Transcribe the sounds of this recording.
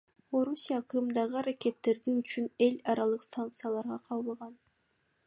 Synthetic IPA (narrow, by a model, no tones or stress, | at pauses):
o̞ɾusʲijaqʰɾɨmd̪ɑʁɯaɾakʲe̞t̪ːe̞ɾd̪iyt͡ʃyne̞lʲɑɾɑlˠɯqsank̚t̪sɨjalˠɑɾʁɑqʰɑlˠbˠʁɑn